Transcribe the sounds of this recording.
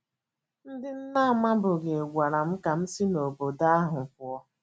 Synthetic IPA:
n̩˦dɪ˦n̩˦na˦a˨ma˦bʊ˨ɡe˨ɡʷa˨ɾa˨m̩˦ka˨m̩˦si˦no˨bo˨da˦a˦ɦʊ˨kʊ˦ɔ˦

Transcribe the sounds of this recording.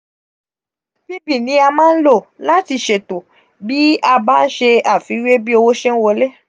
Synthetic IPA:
bi˦bi˦˨nĩ˨˦a˧mãː˦n̩˦lo˦˨la˦ti˧ʃe˨to˨ | bi˦a˧baː˦n̩˦ʃe˧a˦˨fi˨˦we˦bi˦o˧wo˦ʃe˦n̩˦wo˧le˦

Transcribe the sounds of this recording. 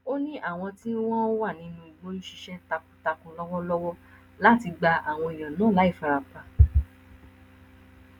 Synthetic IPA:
o˦nĩ˦ʔa˦˨w̃ɔ̃˧ti˦wɔ̃˦o˦wa˦˨nĩ˨˦nũ˦i˨ɡ͡bo˦n̩˦ʃi˧ʃɛ˦ta˧kũ˨ta˧kũ˧lɔ˦wɔ˦lɔ˦wɔ˦ | la˦˨ti˧ɡ͡ba˧a˨w̃ɔ̃˧e˨j̃ã˨nãː˨˦˨la˨˦i˦˨fa˨˧ɾa˨k͡pa˧

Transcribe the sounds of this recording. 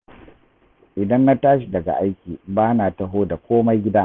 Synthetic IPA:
ʔɪ˨dɐ˦nːa˦taː˦ʃi˨dɐ˨ɡa̰˨ʔa˦jkʲiː˨baː˦naː˨tɐ˦ɦoː˦da˨kʷoː˦ma˦jɡʲɪ˦da˦

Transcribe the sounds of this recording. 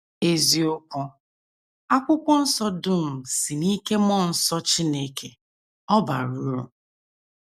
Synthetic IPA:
e˦zi˦ʊ˦kɔ˦ | a˦kʷʊ˦kʷɔ˦n̩˦sɔ˦dʊ˦m̩˨si˨ni˦ke˦mɔ˦˨n̩˦sɔ˦t͡ʃi˦ne˦ke˨ | ɔ˦ba̰˨ɾu˦ɾʊ̰˨

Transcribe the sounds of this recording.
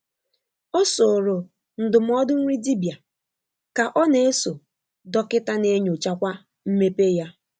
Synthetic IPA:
ɔ˦so˨ɾo˨ | n̩˨dʊ˨m̩˦ɔ˦dʊ˦ŋ̩ʷ˦i˦di˦bja˨ | ka˨ʔɔ˦ne˨e˦so˨ | dɔ˦kɪ˦ta˦ne˦ɲo˨t͡ʃa˦kʷa˦ | m̩˦me˦pe˦ja˦

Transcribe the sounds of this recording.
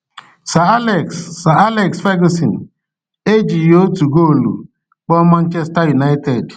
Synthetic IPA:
sa˨˦lksa˨a˦lɛ˨ksfe˦ɡo˦si˨n̩˨ | e˦d͡ʒi˨jo˦tu˨ɡo˦˨lṵ˨ | k͡pɔ˦ma˦n̩˦t͡ʃɛ˦sta˦ɾi˨na˦ɪ˦te˨d

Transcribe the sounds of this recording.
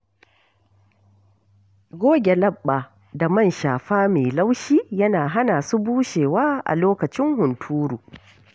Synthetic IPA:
ɡʷoː˦ɡʲe˨lɐ˦ɓːa˨ | da˨mɐ˦˨nʃaː˨ɸaː˦meː˨la˦wʃiː˦jɐ˦naː˨ɦa˦naː˨su˦buː˦ʃeː˨waː˦ʔa̰˨loː˦kɐ˨t͡ʃɪ˦ŋhʊ˨ntʰuː˦ɾuː˨

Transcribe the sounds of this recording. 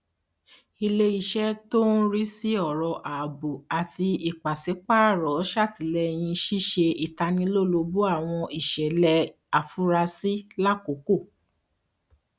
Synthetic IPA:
i˧le˧i˨ʃɛ˦to˦n̩˦ɾi˦si˦ɔ˦˨ɾɔ˧˨ʔa˨bo˨a˨ti˧i˨k͡pa˨si˨˦k͡pa˦˨ɾɔ˨˦ʃa˦˨ti˨˦lɛ˧j̃ĩ˧ʃi˦˨ʃe˧i˨ta˧nĩ˧˦lo˦˨lo˧bu˦a˦˨w̃ɔ̃˧i˨ʃɛ˨lɛ˧ | a˨fu˦ɾa˧si˦la˦ko˨˦ko˦˨

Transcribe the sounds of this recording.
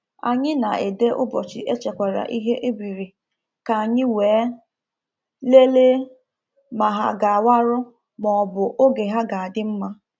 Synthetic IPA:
a̰˨ɲɪ˦na˨ʔe˨de˦ʔʊ˦bɔ˨t͡ʃɪ̰˨ʔe˦t͡ʃe˨kʷa˨ɾa̰˨ʔi˦ɦe˦ʔe˦bi˨ɾi˨ | ka˨a˨ɲɪ˦weː˨˦ | le˦le˦ | ma˨ɦa̰˦ɡa˨a˨wa˦ɾʊ˦ | mɔ˨bʊ˨ʔo˦ɡe˨ɦa˦ɡa˨a˨dɪ˦m̩˦ma˦

